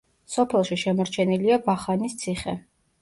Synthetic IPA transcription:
sɔpʰɛlˠʃiʃɛmɔɾt͡ʃʰɛniliabaχanist̪sʰiχɛ̰

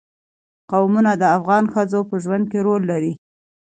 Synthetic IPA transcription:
qawmunad̪əafɣɑnxəzopəʒwand̪̚keɾolːaɾi

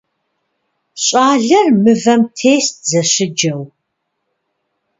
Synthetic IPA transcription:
ɕʼaːɮɐrmɨvɐmtʰeːst̚zɐɕɪd͡ʒɐw

